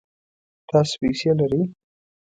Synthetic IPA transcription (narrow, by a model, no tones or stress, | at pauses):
t̪ɑspesjelaɾəj